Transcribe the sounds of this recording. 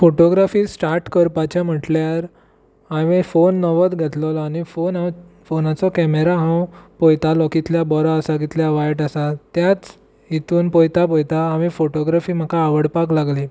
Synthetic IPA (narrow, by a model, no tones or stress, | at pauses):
foʈoɡɾafiːsʈaɾʈkəɾpat͡ɕam̤əʈljaɾ | aʋifonːɔʋət̪ɡʱət̪lɔlaɽ̃ifonãw | fonat͡sɔkɛmeɾaɦãwpojt̪alɔkit̪ljabɔɾɔasaɡit̪ljaʋajʈasat̪jat͡s | it̪uːnpojt̪ap̬ojt̪aːʋifoʈɔɡɾafiːm̤əkaːʋəɽpaklaɡli